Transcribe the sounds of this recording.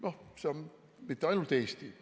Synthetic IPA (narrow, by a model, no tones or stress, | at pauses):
noseɑm | mit̪ːeɑjnult̪eːst̪i